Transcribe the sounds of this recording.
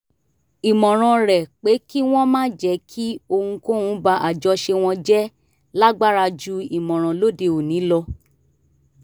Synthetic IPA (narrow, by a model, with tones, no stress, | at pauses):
i˨mɔ̃˨ɾ̃ɔ̃˧ɾɛ˨k͡pe˨˦ki˦w̃ɔ̃˦mãː˦d͡ʒɛ˨˦kʰi˦o˧hũ˧ko˦hũ˨˦ba˧˦ʔa˨d͡ʒɔ˧ʃe˧w̃ɔ̃˧d͡ʒɛ˦ | la˦ɡ͡ba˦ɾa˧d͡ʒu˦i˨mɔ̃˨ɾ̃ɔ̃˨lo˦de˧o˨nĩ˨˦lɔ˧